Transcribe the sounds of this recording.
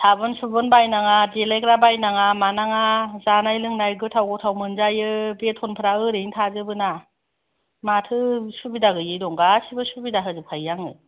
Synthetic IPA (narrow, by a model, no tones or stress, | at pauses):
tʰabɯnsubɯnbajnaŋadelakɾabajnaŋamanaŋazanajlɯŋnajɡɯtʰawɡɔtʰawmɯnzajɯbetʰɔnpʰɯɾaɯɾiŋtʰazɯbɯna | matʰɯsubidaɡɯjɯdɔŋɡasibɯsubidaɦɯzɯpʰajːaŋɯ̰